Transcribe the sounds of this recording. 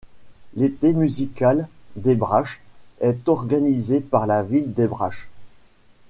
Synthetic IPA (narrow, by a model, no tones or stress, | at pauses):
let̪emyzikald̪ebʁaʃɛt̪ɔʁɡanizepaʁlavild̪ebʁa̰ʃ